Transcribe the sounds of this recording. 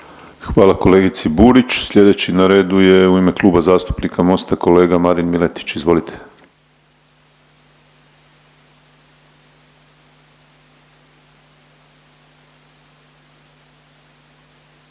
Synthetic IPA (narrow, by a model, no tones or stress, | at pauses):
xʋaːlˠako̞le̞ːɡit̪sibuːɾit͡ʃsʎʲe̞d̪e̞t͡ɕinaɾe̞ːd̪uje̞uime̞kluːbazaːst̪u̥pnikʰamo̞st̪ako̞leːɡamaɾinmilet̪i̥t͡ɕizʋo̞lit̪ʰe̥